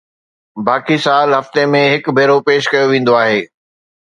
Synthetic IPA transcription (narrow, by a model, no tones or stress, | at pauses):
baːkisaːlɦɐft̪emẽɦɪkbʱeːɾopeːʃkɐjoʋẽːn̆d̪oaːɦeː